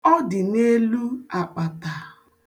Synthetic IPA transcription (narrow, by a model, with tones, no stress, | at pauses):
ɔ˦dɪ˨ne˦lu˦a˨k͡pa˨ta˨